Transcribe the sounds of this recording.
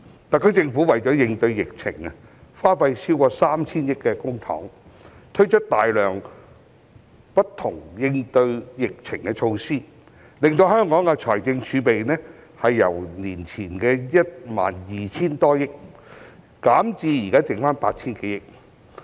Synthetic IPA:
t̪a˨kʰːɵ˨˥t͡sɪ˧ŋfu˨˥wɐ˨jt͡ʃɔː˨˥jɪ˧ŋt̪ɵ˧ɥjɪ˨k̚t͡sʰɪ˨˩ŋɐ˨faː˥nfɐ˧jsi˥wkɔː˧saː˥mt͡sʰiː˥njɪ˥kkːɛ˧kʊ˥ŋt̪ʰɔ̰ː˨˥ŋt̪ʰɵ˥ɥt͡ʃʰɵ˥t̚t̪aː˨jlœː˨˩ŋ | pɐ˥t̚t̪ʰʊ˨˩ŋjɪ˧ŋt̪ɵ˧ɥjɪ˨k̚t͡sʰɪ˨˩ŋkɛ˧t͡ʃʰo˧wsiː˥ | lɪ˨ŋt̪o˧whœː˥ŋkɔː˨˥ŋɐ˧t͡ʃʰɔː˨˩jt͡sɪ˧ŋt͡ʃʰyː˨˧pe˨jnɛː˥ | hɐ˨jːɐ̰˨˩wniː˨˩nt͡sʰiː˨˩nkɛː˧jɐ˥t̚ma̰ː˨˩njiː˨t͡ɕʰiː˥nt̪ɔː˥jɪ˥k̚ | kaː˨˥mt͡siː˧jiː˨˩kaː˥t͡sɪ˨˩ŋfaː˥npaː˧t̚t͡sʰiː˥nke˨˥jɪ˥k̚

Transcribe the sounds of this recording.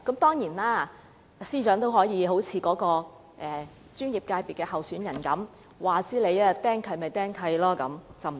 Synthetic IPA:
kɐ˨˥mt̪ɔː˥ŋjiː˨˩nlaː˥ | siː˥t͡ʃœː˨˥ŋt̪o˥wɦɔː˨˥jiː˨˧ɦo˨˥wt͡sʰiː˨˧kɔː˨˥kɔː˧ | ʔɛː˨˩ | t͡ʃyː˥njiː˨p̚kaː˧jpiː˨t̚kɛː˧hɐ˨˩wsyː˨˥njɐ˨˩nkɐ˨˥m | waː˨t͡siː˨˥le˨˧jaː˧˥t̪ɛː˥ŋkʰɐ˨˧˥jmɐ˨jt̪ɛː˥ŋkʰɐ˨˧jlɔː˥kɐ̰˨˥mt͡sɐ˨wm˨˩

